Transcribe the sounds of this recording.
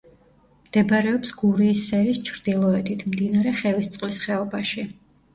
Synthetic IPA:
md̪ɛbaɾɛɔpsɡuɾiːsːɛɾist͡ʃʰɾd̪̥ilˠɔɛd̪it̪ʰmd̪inaɾɛχɛvist̪sʼqʼlisχɛɔbaʃi

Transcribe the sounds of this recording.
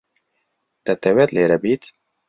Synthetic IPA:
t̪ɛt̪ɛwɛt̪leːɾɛbiːt̪

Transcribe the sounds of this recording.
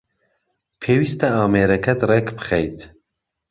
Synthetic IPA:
pʰeːwist̪ɐɑːmeːɾɛkʰɛt̪rekbɨ̥xɛjt̪ʰ

